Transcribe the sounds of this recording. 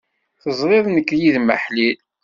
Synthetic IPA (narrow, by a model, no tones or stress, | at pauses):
θəzˤɾˤeðˤnəkːjiðmə̰ħlil